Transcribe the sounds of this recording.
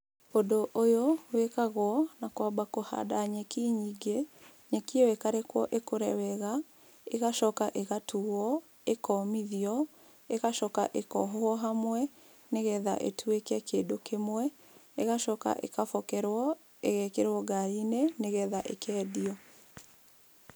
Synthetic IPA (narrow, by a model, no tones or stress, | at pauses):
odoʔojowekaɣwɔnakɔbakoha̰daɲekiɲiɡe | ɲɛkiwekaɾekwɔʔekoɾɛwɛɣa | eɣaʃɔkaʔeɣatʰuwɔ | ekɔmiðiɔ | eɣaʃɔkaʔekɔɦɔɔɦamwɛ | neɣɛða̰ʔḛtʰuekɛkeːdokemwɛ | eɣaʃɔka̰ʔḛkafɔkɛɾwɔ | eɣɛkeɾwɔɡaineneɣɛðaʔekɛːdiɔ